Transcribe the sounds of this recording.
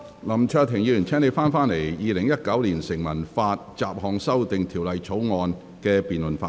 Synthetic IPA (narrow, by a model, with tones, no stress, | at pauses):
lɐ˨˩mt͡ʃʰœː˧t̪ʰɪ˨˩ŋjiː˨˧yː˨˩nt͡sʰɛː˥ne˨˧jfaː˥nfaː˥nle˨˩jjiː˨˧lɪ˨˩ŋjɐ˥t̚kɐ˨˥wliː˨˩nsɪ˨˩ŋmɐ˨˩nfaː˧t̚t͡saː˨p̚hɔː˨ŋsɐ˥wt̪ɪ˨ŋt̪ʰiː˨˩wlɐ˨jt͡sʰo˨˥wŋɔː˨˧n | kɛː˧piː˨nlɵ˨˩nfaː˧